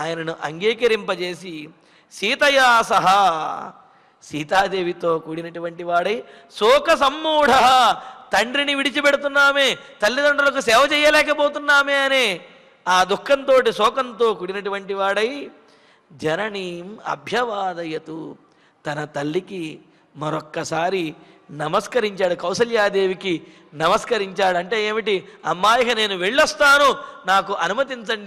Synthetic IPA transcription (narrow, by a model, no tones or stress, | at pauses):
aːjɐnɐnuʔɐŋɡiːkɐɾimpɐt͡ʃeːsi | siːt̪ɐjaːsɐɦɐ | siːt̪aːd̪eːʋit̪o̞ːkuːɽinɐʈuʋɐɳʈiʋaːɽɐj | sɔːkɐs̬ɐmːuːɽɐɦɐt̪ɐɳɖɾiniʋiɽit͡ʃipɛɽut̪̬unːaːmeːt̪ɐlːid̪ɐɳɖɐlɐk̬usɛːʋɐt͡ʃɛːjɐlɛːkɐbo̞ːt̪unːaːmeːɐneː | aːd̪ukʰːɐnt̪o̞ːʈ̬isɔːkɐnt̪oːkuːɽinɐʈuʋɐɳʈiʋaːɽɐj | d͡ʒɐnɐɳiːmɐ̰bʱjɐʋaːd̪ɐjɐt̪u | t̪ɐnɐt̪ɐlːiki | mɐɾɔkːɐsaːɾi | nɐmɐskɐɾiɲt͡ʃaːɽukɐwsɐljaːd̪e̞ːʋiki | nɐmɐskɐɾiɲt͡ʃaːɽuɐɳʈe̞ːeːmiʈiɐmːaːjɐɦɐneːnuʋeɭːɐst̪aːnunaːkuʔɐnumɐt̪̬int͡ʃɐɳɖi